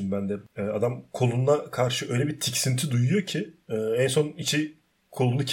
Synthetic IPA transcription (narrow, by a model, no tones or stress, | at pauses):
imbænd̪ɛɛːad̪amkʰo̞lˠunlˠakʰaɾʃɯø̞jlʲɛbit̪ʰicsint̪ʰid̪ujujo̞cʰiɛːɛnso̞nit͡ʃʰi | kʰo̞lˠunucʰ